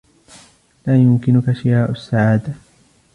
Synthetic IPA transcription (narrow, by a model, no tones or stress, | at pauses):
laːjʊmkɪnʊkaʃɪjaːʔʊsːaʕaːd̪a